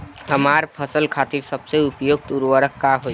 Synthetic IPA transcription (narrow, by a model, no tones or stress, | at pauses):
ɦəmaɾpʰəsəlkʰat̪iɾsəbseupjoɡ̚t̪uɾʋəɾəkːaɦoj